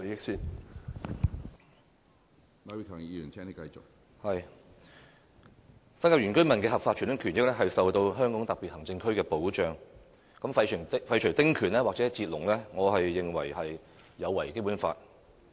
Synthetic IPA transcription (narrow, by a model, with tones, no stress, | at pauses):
jɪ˥k̚siː˥n | ma˨˥wi˨˩t̪ʰɔː˨˩ŋiː˨˧jyː˨˩ntʰɛː˥ni˥kɐ˧jt͡sʊ˨k̚ | hɐ˨j | sɐ˥nkaː˧jyː˨˩nkɵ˥ɥmɐ˨nkɛː˧hɐ˨pfaː˧t̚t͡ʃʰy˨˩nʊ˨˥kʰy˨˩njɪ˥k̚lɛ˥ɦɐ˨jsɐ˨wt̪o˧wɦœː˥ŋkɔː˨˥ŋt̪ɐ˨piː˨t̚hɐ˨˩ŋt͡sɪ˧ŋkʰɵ˥ɥkɛː˧po˨˥wt͡ʃœː˨ŋ | kɐ˨˥mfɐ˧jt͡ʃ̪ʰfɐ˧jt͡ʃʰɵ˨˩ɥt̪ɪ˥ŋkʰyː˨˩nlɛː˥waː˨k̚t͡sɛ˨˥t͡siː˧t̚lʊ˨˩ŋlɛː˥ŋɔː˨˧ɦɐ˨jːɪ˨ŋwɐ˨˩jhɐ˨j | jɐ˨˧wːɐ˨˩jke˥jpuː˨˥nfaː˧t̚